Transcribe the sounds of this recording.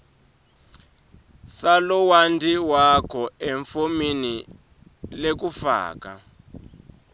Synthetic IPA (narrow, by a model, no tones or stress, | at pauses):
salɔwandʱiwakʰɔeɱfomini | lek̬ufa̰ːk̬a̰